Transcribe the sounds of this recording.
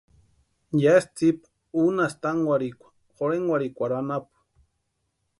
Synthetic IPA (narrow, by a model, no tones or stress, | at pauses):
jast͡sipḁ | unast̪aŋwaɾikʷḁ | χoɾeŋwaɾikʷaɾanapu̥